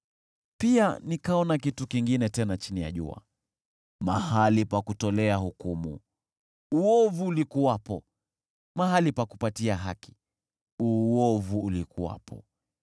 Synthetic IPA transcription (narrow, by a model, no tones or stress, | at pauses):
pianikaɔnakitukiŋɡinɛtɛnat͡ʃinija̰ʄṵa̰ | ma̰halipakutɔlɛahukumṵ | uɔvuːlikuwapɔ | mahalipakupatiaɦaki̥ | uɔvuːlikuwa̰pʰɔ̰